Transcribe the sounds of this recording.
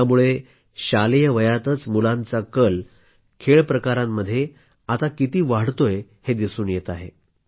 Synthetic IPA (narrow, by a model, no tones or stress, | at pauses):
amuɭe | ɕalijəʋəjat̪ət͡smulãnt͡sakəl | kʰeɭpɾəkaɾamːəd̪ʱːje | at̪akit̪iːʋaɽt̪oj | hed̪isuːnjet̪aɦḛ